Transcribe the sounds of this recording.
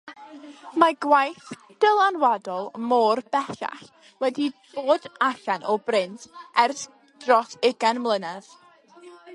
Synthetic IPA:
maɡwajθ | d̥əlˠanwadɔlˠmoːrb̥ɛɬa̰χ | wɛdib̥oːd̥aɬanʔɔbrɪntʰɛrθ | d̥rɔsɪɡanmlˠənað̥

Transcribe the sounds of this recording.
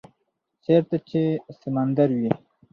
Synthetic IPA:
t͡ʃeɾt̪at͡ʃʰesəmand̪aɾwi

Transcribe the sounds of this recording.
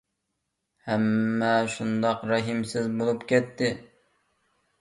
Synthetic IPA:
hɛmːɛʃund̪ɑqɾɑɦimsɪzbolˠupkʲʰɛt̪ʰːɪ

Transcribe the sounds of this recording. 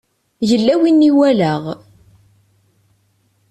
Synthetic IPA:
ʝəlːæwinːiwæləʁ

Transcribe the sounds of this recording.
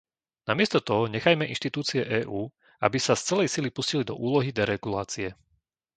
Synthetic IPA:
namɪɛst̪ɔt̪ɔɦɔɲɛxajmɛʔinʃt̪it̪uːt͡siɛʔɛːʔuː | a̰bisast͡sɛlɛjsilipuscilid̪ɔ̰ʔuːlɔɦid̪ɛɾɛɡulaːt͡siɛ

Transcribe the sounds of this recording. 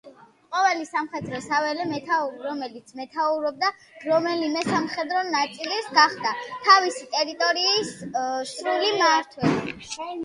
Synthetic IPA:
qʼɔvɛlisamχɛd̪ɾɔsavɛlɛmɛt̪ʰauɾɾɔmɛlit̪sʰmɛt̪ʰauɾɔb̚d̪a | ɾɔmɛlimɛsamχɛd̪ɾɔnat̪sʼilisɡaχd̪at̪ʰavisit̪ʼɛɾit̪ʼɔɾiːssɾulimaɾt̪ʰwɛ

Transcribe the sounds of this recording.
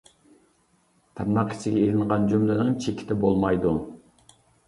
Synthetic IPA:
t̪ʰɛnːɑqi̥t͡ʃʰɪɡʲɛeɾɪnʁɑnd͡ʒumlˠɨnɨŋt͡ʃʰekʲʰɪ̥t̪ʰɛbolˠmɑjd̪u

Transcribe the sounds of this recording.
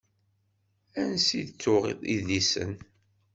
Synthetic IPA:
ænsid̪t͡sːʊʁḭðˤiðisə̰n

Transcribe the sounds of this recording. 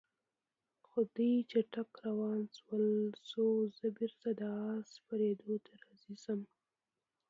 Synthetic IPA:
xod̪əjt͡ʃaʈakɾawɑnswəlsozəbiɾt̪ad̪əɑspaɾed̪ot̪ʰaɾɑzizəm

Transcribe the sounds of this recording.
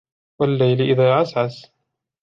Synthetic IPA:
walːajlɪʔɪðaːʕasʕas

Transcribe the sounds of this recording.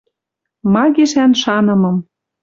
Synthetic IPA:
mɑɣeʃænʃɑnɤ̆mɤ̆m

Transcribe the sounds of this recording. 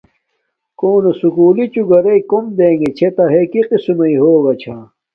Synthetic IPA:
koːnosukuːlit͡ɕuɡɐɾɐikomd̪eːŋɡet͡ɕʰet̪ɐɦekiqisumɐiɦoːɡɐt͡ɕʰa

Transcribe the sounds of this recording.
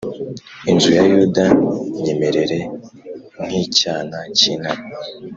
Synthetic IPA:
inzujajudajeme̞ɾe̞ɾe̞ | ŋ̥icaːnacinami

